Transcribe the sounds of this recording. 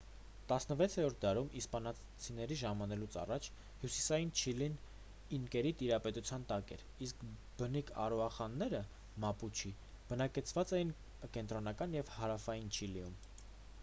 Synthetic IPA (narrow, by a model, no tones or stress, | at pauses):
t̪ɑsnəvɛt͡sʰɛɾɔɾt̪̚ʰd̪ɑɾumispɑnɑ | t͡sʰinɛɾiʒɑmɑnɛlut͡sʰɑ̰rɑt͡ʃʰ | hjusi̥sɑjint͡ʃʰilin | iŋkɛɾit̪iɾɑpɛt̪ut͡sʰjɑnt̪ɑkɛ̰ɾ | isk | b̥ənikʰɑ̰ɾɔɑχɑnːɛɾə | mɑput͡ʃʰi | b̥ənɑkɛt͡sʰvɑt͡sɛjin | kɛnt̪ɾɔnɑkɑnjɛvhɑɾɑfɑjint͡ʃʰilium